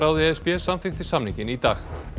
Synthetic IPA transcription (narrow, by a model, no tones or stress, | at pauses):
ɾaːwðɪɛspjɛsamfɪxt̪ɪ̥samnĩŋcɪnit̪a̰ːx